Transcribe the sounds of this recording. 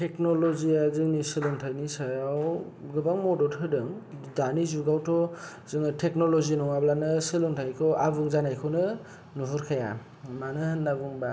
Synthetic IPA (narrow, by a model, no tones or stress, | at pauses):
tʰeknolɔziazɯŋnisɯlɯŋtʰajnisajaww | ɡɯbaŋmɔdɔtʰɯdɯŋ | danizuɡawtʰɔ | zɯŋɯtʰek̚nɔlɔzinɔŋablanɯsɯlɯŋtʰajkʰɔʔabuŋzanajkʰɯwnɯ | nuɦuɾkʰaja | manɯhɯnːaɡuŋba